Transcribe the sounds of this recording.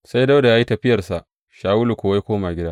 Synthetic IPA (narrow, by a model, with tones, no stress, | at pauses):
sa˦jda˦da˨jaː˦ji˦tɐ˨ɸɪ˦jɐ˨rsa˨ʔ | ʃaː˨wu˦lu˨kʷoː˨wa˦jkʷoː˦maː˨ɡʲɪ˦daː˦